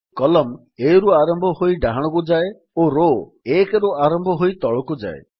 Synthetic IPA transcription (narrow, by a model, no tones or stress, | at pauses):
kɔlɔm | eɾuaɾɔmbʱɔɦojɖaɦaɽ̃ɔkud͡ʒae | oɾo | ekeɾuaɾɔmbʱɔɦojt̪ɔɭɔkud͡ʒa̰ḛ